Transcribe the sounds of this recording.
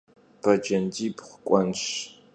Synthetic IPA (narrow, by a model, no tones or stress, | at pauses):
b̥ʰɐd͡ʒɐndiːbχʷʊkʷʼɔnʃ